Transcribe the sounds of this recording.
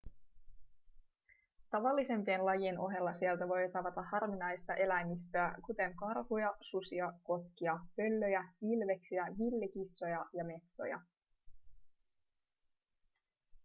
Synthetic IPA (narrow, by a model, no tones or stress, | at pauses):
t̪ɑʋɑlːise̞mpienlɑjieno̞ɦe̞lːɑsielt̪æʋo̞jt̪ɑʋɑt̪ɑhɑrʋinɑjst̪ɑʔe̞læjmist̪øækut̪e̞ŋkɑrhujɑsusiɑko̞t̪k̟iɑpø̞lːø̞jæʋilʋe̞ksiæʋilːekisːo̞jɑjɑme̞t̪so̞̰jɑ̰